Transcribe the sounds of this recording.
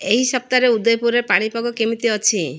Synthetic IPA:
eɦisɔp̚t̪aɾeud̪ɔjpuɾepaɽ̃ipɔɡɔkimit̪iɔt͡ʃʰi

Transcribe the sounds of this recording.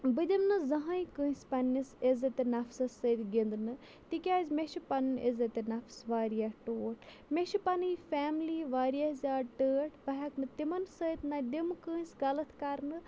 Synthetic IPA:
bɨd̪imnɨzɐɦãjĩkɨ̃ːspɐnʲːisezɐt̪inɐfsɐsət̪ɡind̪nɨ | t̪ikʲaːzʲmeʃipɐnnʔezɐt̪enɐfʰsʋaːɾijaʈoːʈʰ | meʃipɐnɨifɛːmliʋaːɾijazʲaːʈəːʈʰbɐɦɐknɨt̪imɐnsəjt̪nɐd̪imkɨːsʲɡɐlɐt̪ʰkaɾnɨ

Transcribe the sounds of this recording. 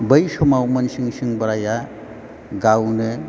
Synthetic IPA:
bəjsɔmawmɐnsiŋsiŋbɐɾaja | ɡawnɯ

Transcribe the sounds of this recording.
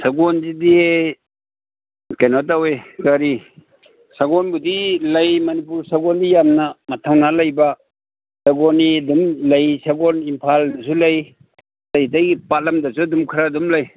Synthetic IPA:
sɐɡɔnzidie | kajnɔtawekɐɾi | saɡɔnbudilɐjmɐnip̬uɾsɐɡɔndijamnɐmɐtʰawnalɐjba | sɐɡɔnidumlɐjsaɡonimpʰaldɐsulɐj | lajtajpalɐmdɐsudumkʰɾadumlɐj

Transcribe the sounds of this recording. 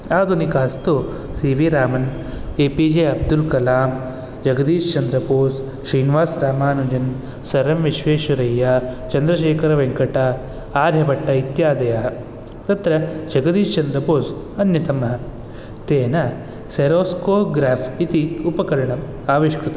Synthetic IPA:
aːd̪ʱunikaːst̪u | siːʋiɾaːmɐn | eːpid͡ʒeːɐb̚d̪ulkɐlaːm | d͡ʒɐɡɐd̪iːʃt͡ʃɐnd̪ɾɐpoːs | ʃɾiːnʋaːsɾaːmaːnud͡ʒɐn | sɐɾɐmʋiʃʋeːʃuɾɐjːaːt͡ʃɐnd̪ɾɐʃeːkɐɾɐʋeŋkɐʈɐ | aːɾʱjɐpɐʈːɐit̪jaːd̪ɐjɐɦɐ | t̪ɐt̪ɾɐd͡ʒɐɡɐd̪iːʃt͡ʃɐnd̪ɾɐpoːs | ɐnjɐt̪ɐmɐɦɐ | t̪eːnɐ | seɾoːskoːpɡɾaːpʰit̪iupɐkɐɾɐɳɐm | aːʋiʃkɾut̪ɐ

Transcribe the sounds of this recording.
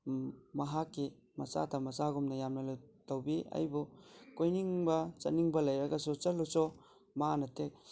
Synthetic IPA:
mɐɦakːi | mɐsa̰tʰɐmɐsaɡumnɐjamnɐlatawbiɐ̰jbukojniŋbɐt͡ʃɐ̰niŋbɐlɐjɾɐɡɐsut͡ʃɐlusɔ | manɐtʰek̚

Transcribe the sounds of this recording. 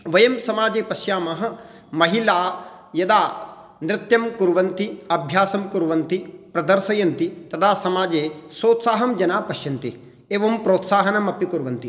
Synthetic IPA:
ʋɐjɐmsɐmaːd͡ʒeːpɐʃjaːmɐɦɐ̆ | mɐɦilaː | jɐd̪aː | nɾɪt̪jɐmkuɾʋɐnt̪iɐbʱjaːsɐmkuɾʋɐnt̪ipɾɐd̪ɐɾsɐjɐnt̪it̪ɐt̪ʰaːsɐmaːd͡ʒeːsoːt̪saːɦɐmd͡ʒɐnaːpɐʃjɐnt̪i | eːʋɐmpɾoːt̪saːɦɐnɐmɐpikuɾʋɐnt̪i

